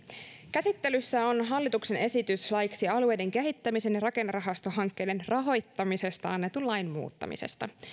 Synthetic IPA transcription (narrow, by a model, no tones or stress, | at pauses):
kæsit̪ːe̞lysːæo̞nɦɑlːit̪ukse̞ne̞sit̪yslɑjksiɑlue̞jde̞ŋke̞ɦit̪ːæmise̞njɑɾɑke̞nːrɑɦɑst̪o̞ɦɑŋkːe̞jde̞nrɑɦo̞jt̪ːɑmise̞st̪ɑɑnːet̪ullɑjnmṵːt̪ːɑ̰mḭse̞̰st̪ɑ̰